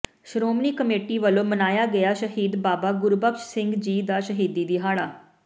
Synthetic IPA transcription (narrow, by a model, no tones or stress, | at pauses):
ʃɾoːmniːkəmeːʈiːʋəloːmənaːjaːɡəjaːʃəɦiːd̪baːbaːɡʊɾbəkʃsɪ̃ŋɡd͡ʒiːd̪aːʃəɦiːd̪iːd̪iːɦaːɭaː